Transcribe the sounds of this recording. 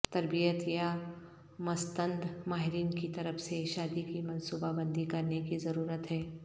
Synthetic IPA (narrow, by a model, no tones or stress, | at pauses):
t̪ɐɾbijət̪ja | mɐst̪ə̃nd̪maːɦɪɾiːnkit̪ɐɾəfseʃaːd̪ikimɐ̃nsuːbabə̃nd̪ʱikɐɾnekizɐɾuːɾət̪ɦɛː